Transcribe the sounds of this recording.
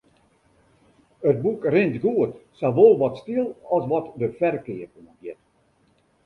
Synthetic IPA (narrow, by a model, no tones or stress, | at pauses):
əd̚bukrɪntɡuətsaʋolˠʋɔtstilˠɔsʋɔtdəfɛrkɪːəpoməɡjɛt